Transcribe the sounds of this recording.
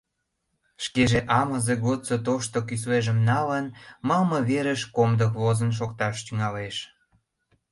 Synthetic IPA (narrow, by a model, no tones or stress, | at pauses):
ʃkeʒeʔɑməzeɡot͡sot̪oʃt̪okys̬leʒəmnɑlənmɑlməβeɾəʃkomd̪əkβozənʃ̬okt̪ɑʃt̪yŋɑleʃ